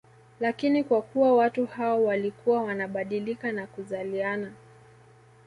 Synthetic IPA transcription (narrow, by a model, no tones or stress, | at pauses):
lakinikwakuwawatuhaɔwalikuwawanaɓaɗilikanakuzaliana